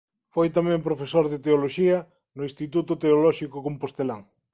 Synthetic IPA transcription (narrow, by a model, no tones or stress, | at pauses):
fojt̪amɛ̃mpɾofesoɾðɪt̪eoloʃiɐ | nʊĩst̪it̪ut̪ʊt̪eolɔʃikokompost̪elaŋ